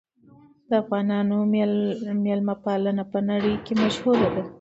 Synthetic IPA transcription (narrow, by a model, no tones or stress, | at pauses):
d̪əafɣɑnɑno | melmapɑlənapənaɽəjkemaʃhuɾad̪a